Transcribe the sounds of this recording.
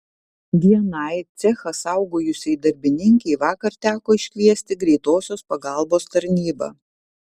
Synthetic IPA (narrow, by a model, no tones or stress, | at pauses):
ʋʲiɛnɐɪt̪sʲɛxɐsɑˑʊɡoːjʊsʲɛɪd̪ɐɾʲbʲɪnʲɪŋʲkʲɛɪʋɑːkɐɾt̪ʲæːkoːɪʃʲkʲʋʲiɛsʲt̪ʲɪɡɾʲɛɪt̪oːsʲoːspɐɡɐˑlˠboːst̪ɐɾʲnʲiːbɐ̰ː